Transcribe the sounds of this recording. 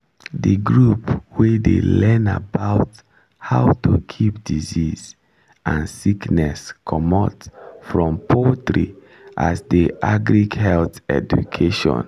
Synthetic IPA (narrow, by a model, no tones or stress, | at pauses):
dəɡɹupwedḛlɛ̃na̰baʊt | haʊtukʰip̚diziz | ʔãnsiknɛskʰɔmɔtfɹɔ̃mpʰɔtɹi | ʔa̰sdiʔaɡɹiɡhɛlθɛ̰d͡ʒṵkʰeʃɔ̰̃n